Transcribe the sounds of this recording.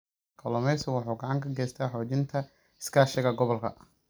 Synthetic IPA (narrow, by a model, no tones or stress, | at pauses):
kʰɐlɔmɛsɔwɑħuːɡɑʕɑŋkʰɐɡɛːst̪ʰaːħɔːt͡ʃɪnt̪ʰɐ | ɪ̥skʰaːʃɛɣɐɡɔβɔlkʰɐ̰